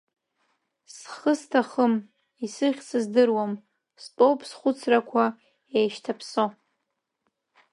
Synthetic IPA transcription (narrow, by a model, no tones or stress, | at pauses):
sχəstʰaχəm | isɨχʲt͡sʰɨzdɨrwam | spʼowpʼsχʷʊt͡sʰrakʷʰa | ejʃtʰapʰso